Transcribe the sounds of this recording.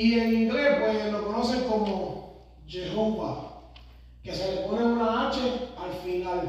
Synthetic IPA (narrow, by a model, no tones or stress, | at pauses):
ienind̪ɾepwelokonɔsekomo | d͡ʒeɾompa̰ | keselːeponeunaat͡ʃealfinal